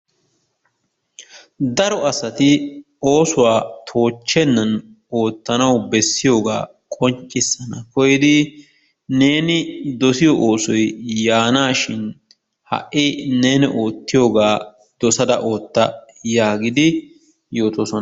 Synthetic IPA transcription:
d̪ɐɾɔɐsɐt̪ɪ | oːsʊwaːt̪ʰo̞ːt͡ʃːɛnːɐn | o̞ːt̪ːɐnɐwbɛsːɪjo̞ːɡa̰ː | kʼɔɲt͡ʃʼːɪsːɐnɐkɔjɪd̪ɪ | ne̞ːnɪd̪ɔsɪjɔʔoːsɔjjaːnaːʃɪn | hɐ̰ʔʔːɪneːnɪʔo̞ːt̪ːɪjo̞ːɡaː | d̪̥ɔsɐd̪ɐʔo̞ːt̪ːɐjaːɡɪd̪ɪ | jo̞ːt̪oːsɔn

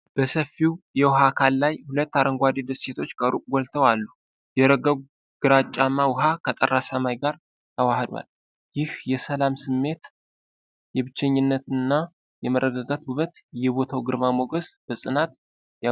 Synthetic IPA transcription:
b̥əsəfːiwjɛwɦakʰalːajhulət̪ːaɾəŋɡʷad̪id̪əsse̞t̪ʰo̞t͡ʃːkʼəɾuɡʷɔlt̪ʰəwalːu | jɛɾəɡəɡ | ɡ̥ɨɾat͡ʃʼːamːawʊɦakʰət̪ʼə̰rːasəmajɡaɾ | t̪ʰəwahd̪wa̰l | jɪhjɛsəlamsɨmːe̞t̪ | jɛβɨt͡ʃːɛɲːɪnːət̪ɨnːa | jɛməɾːəɡaɡat̪buβət̪jɛβo̞t̪ʰawɡɨɾmamoɡəsb̥əsʼɨnat̪ | ja

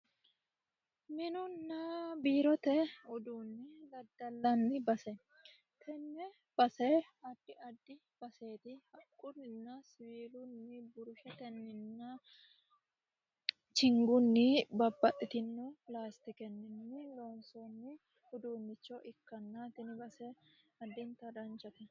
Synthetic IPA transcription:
mɪnʊnːɐbiːɾɔt̪ɛʊd̪uːnːɪlɐd̪ːɐlːɐnːɪbɐsɛ | t̪ʰɛnːɛ | b̥ɐsɛ | ɐd̪ːɪʔɐd̪ːɪ | b̥ɐse̞ːt̪ɪhɐkʼːʊɾɪnːɐsɪwiːlʊnːɪbʊɾʊʃɛt̪ɛnːɪnːɐ | t͡ʃɪŋɡʊnːɪbɐbːɐʔʼɪt̪ɪnːʊplaːst̪ɪkɛnːɪnːɪloːnsɔnːɪ | ʊd̪uːnːɪt͡ʃːɔʔɪkːɐnːɐt̪ɪnɪbɐsɛɐd̪ːɪnt̪ɐd̪ɐnt͡ʃːɐt̪ɛ

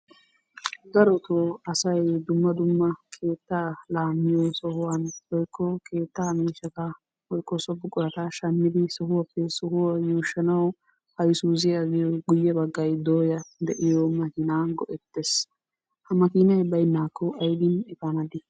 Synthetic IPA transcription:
ɡ̪ɐɾɔt̪oɐsɐjd̪ʊmːɐd̪ʊmːɐkʰe̞ːt̪ːalaːmːɪjɔsɔhʊwanwɔjkʰːɔkʰe̞ːt̪ːaːmiːʃɐkɐ | wɔjkːɔsɔbːʊkʼʊɾɐt̪ɐʃɐnːɪd̪ɪsɔhʊwɐpːɛsɔhʊwɐjuːʃːɐnɐw | hɐjsuːzɪɐɡɪjɔɡʊjːɛbɐɡːɐjd̪oːjɐd̪ɛʔɪjɔmɐkinaːɡɔʔɛt̪ːes | hɐmɐkiːnɐjbɐjnːaːkʰːɔʔɐjd̪ɪnɪfɐnɐd̪ɪ

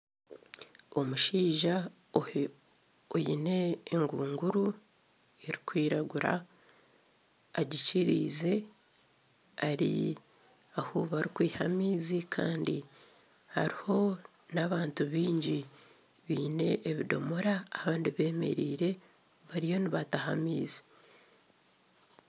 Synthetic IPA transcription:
o̞muʃiːʒa | ojine̞ːŋɡuːŋɡuɾu | eɾikwiːɾaɡuɾa̰ | ɟiciɾḭːze̞ | aɾḭ | ahuβaɾikwiːhamiːzikʰa̰ːndi | haɾiho̞ | naβaːntuβiːɲɟi | βiːne̞ʔːβido̞̰moɾaːβaːndiβe̞ːme̞̰ɾiːɾe̞ | βaɾijo̞niβatahamiːzi̥

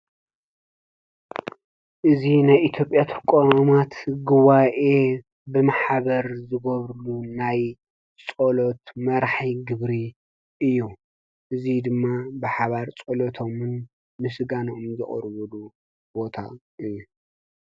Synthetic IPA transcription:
ʔɨzinajʔit̪ʰjo̞pʼjat̪ʰɐkʼoamat̪ɡuβaʔe̞ | bɨmaħβɐɾzɨɡɐβɾɨlunaj | t͡sʼolot̪mɐɾħiɡɨβɾi | ʔɨjːu | ʔɨzid̪ɨmːabɨħaβaɾt͡sʼolot̪ʰo̞mɨn | mɨsɨɡanʔomzɨ̰χʼɾβɔlu | bo̞t̪ʰa̰ | ʔɨjːu

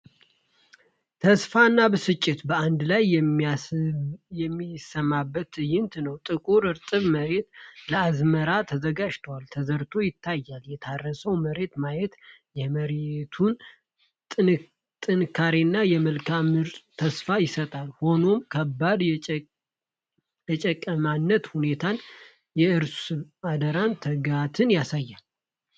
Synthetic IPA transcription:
t̪ʰəsfanːabəsɨt͡ʃʼːɪt̪bəand̪lajɛ | jɛmːisəmːabːət̪jɪnt̪nəwt̪ʼɨkʼuɾɨɾt̪ʼɨβməɾe̞t̪ləazməɾat̪ʰəzəɡad͡ʒt̪ʰəwalt̪ʰəzəɾt̪ʰo̞jɪt̪ʰːajːaljɛt̪ʰarːəsəwməɾe̞t̪majɛt̪jɛməɾet̪ʰun | t̪ʼɨnɨkʰːaɾinːajɛməlkʰamɨɾt̪ʼt̪ʰəsfajɪsət̪ʼalho̞no̞mkʰəbːad̪ | jɛt͡ʃʼəkʼːəmanːət̪hune̞t̪ʰan | jɛɨɾsɨad̪əɾant̪ʰəɡat̪ʰɨnjasajːal

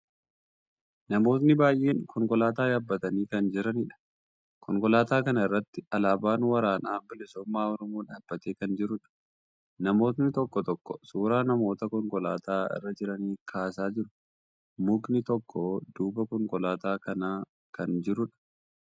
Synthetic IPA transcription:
nɐmo̞ːt̪nɪbaːjʔe̞ːŋkɔŋkɔlaːt̪aːjaːbːɐt̪ɐniːkɐnd͡ʒɪɾɐniːᶑɐ̥ | kʰɔŋkɔlaːt̪aːkɐnɐɪrːɐt̪ːɪɐlaːbaːnwɐɾaːnaːbɪlɪsɔmːaːɔɾɔmoːᶑaːb̥ːɐt̪e̞ːkɐnd͡ʒɪɾʊᶑɐ̥ | nɐmo̞ːt̪̬nɪt̪ɔkːɔt̪ɔkːɔsuːɾaːnɐmo̞ːt̪ɐkɔŋkɔla̰ːt̪ʰaːɪ̰rːɐd͡ʒɪɾɐniːkʰaːsaːd͡ʒɪɾʊ̥ | mʊknɪt̪ɔkːɔd̪uːbɐkɔŋkɔlaːt̪aːkɐnaː | kɐnd͡ʒɪɾʊᶑɐ̥

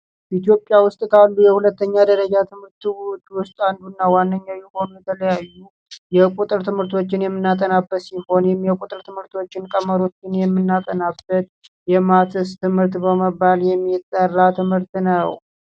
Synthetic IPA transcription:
it̪ijo̞pʼjawʊst̪ʼkʰalːujɛhulət̪ːəɲːad̪əɾəd͡ʒat̪ʰɨmhɨɾt̪t͡ʃːwʊst̪ʼand̪unːawanːəɲːawjɛho̞nujɛt̪ʰələjajːu | jɛkʼut̪ʼɨɾt̪ʰɨmhɨɾt̪ʰo̞t͡ʃːɪnjɛmːɨnːat̪ʼənabːət̪siho̞njɛmːjɛkʼut̪ʼɨɾt̪ʰɨmhɨɾt̪ʰo̞t͡ʃːɪnkʼəməɾo̞t͡ʃːɪnjɛmːɨnːat̪ʼənabːət̪̚ | jɛmat̪ʰɨst̪ʰɨmhɨɾt̪bəməbːaljɛmːit̪ʼːərːat̪ʰɨmhɨɾt̪nəw

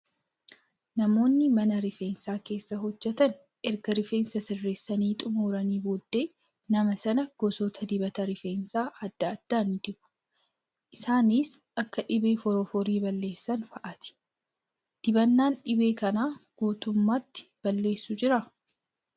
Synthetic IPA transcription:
nɐmo̞ːnːɪmɐnɐɾɪfeːnsaːke̞ːsːɐɦɔd͡ʒːɛt̪ɐn | ʔɛɾɡɐɾɪfe̞ːnsɐsɪrːeːsːɐniːt̪ʼʊmuːɾɐniːbod̪ːe̞ː | nɐmɐsɐnɐɡ̥ɔsɔt̪ʰɐd̪ɪbɐt̪ɐɾɪfeːnsaːʔɐd̪̥ːɐːd̪̥ːaːnːɪd̪ɪbʊ̥ | ʔɪsaːniːsʔɐkːɐᶑɪbe̞ːfɔɾɔfɔɾiːbɐlːe̞ːsːɐnfɐʔɐt̪ɪ̥ | d̪̥ɪbɐnːaːnᶑɪbe̞ːkɐnaːɡ̥uːt̪ʊmːaːt̪ːɪ̥b̥ɐlːe̞ːsːʊd͡ʒɪɾɐ

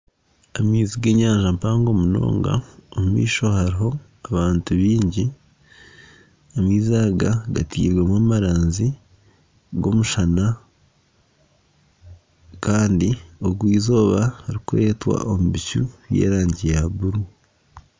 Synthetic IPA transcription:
amiːziɡe̞ːɲaːɲʒampaːŋɡo̞muno̞̰ːŋɡa̰omumḭːʃo̞haɾiɦo̞ | aβaːntuβiːɲɟi | omiːzaːɡaɡa̰tʰḭːɾwemwaːmaɾaːnzi | ɡo̞muʃana | kaːndio̞ɡwiːzo̞ːβahaɾikuɾe̞twa̰ʔomuβicuɾje̞̰ːɾaːɲɟijaβuɾu

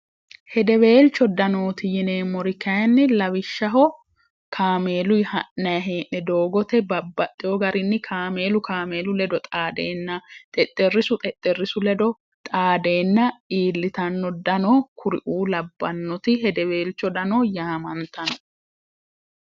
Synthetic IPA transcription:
hɛd̪ɛweːlt͡ʃːɔd̪ɐnoːt̪ɪjɪneːmɔɾɪkɐjɐnːɪlɐwɪʃːɐɦɔ | kʰaːmeːlʊjhɐʔːɐjɐɦeːʔːɛd̪oːɡɔt̪ɛbɐbːɐt̪ʼːɪjɔɡɐɾɪnːɪkʰaːme̞ːlʊkʰaːme̞ːlʊlɛd̪ɔt̪ʼaːd̪eːnːɐt̪ʼɛt̪ʼːɛrːɪsʊt̪ʼɛt̪ʼːɛrːɪsʊlɛd̪ɔ | t̪ʼaːd̪e̞ːnːɐiːlːɪt̪ɐnːɔd̪ɐnɔkʰʊɾɪ̰ʔuːlɐbːɐnːɔt̪ɪɦɛd̪ɛwe̞ːlt͡ʃːɔd̪ɐnɔːjaːmɐnt̪ɐnɔ

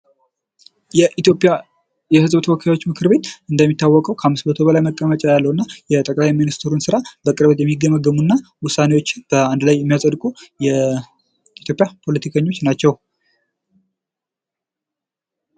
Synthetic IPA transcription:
jɛʔitopʼja | jɛhɨzbt̪ʰəwɔkʰajwo̞t͡ʃːmɨkʰɨɾbe̞t̪ɨnd̪əmːit̪ːawːɔkʼəwkʰəhamːɨsmət̪ʰo̞βəlajməkʼːəmət͡ʃʼajalːəwɨnːajɛt̪ʼəkʼlajminist̪ʰɾunsɨɾabəkʼɨɾβət̪jɛmːiɡːəməɡəmunːawʊsːane̞wo̞t͡ʃːɪb̥əand̪lajːɛmːijasʼəd̪kʼujɛ | it̪ʰjo̞pʼjapʰo̞lət̪ʰikʰəɲːo̞t͡ʃːnat͡ʃːɛw

